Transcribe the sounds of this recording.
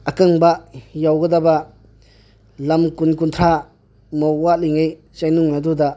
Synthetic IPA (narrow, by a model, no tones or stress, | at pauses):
ɐkaŋbajawɡɐdaba | lɐmkunkunt̪ʰɾa | mɔwaliŋej | t͡ʃajnuŋnaduda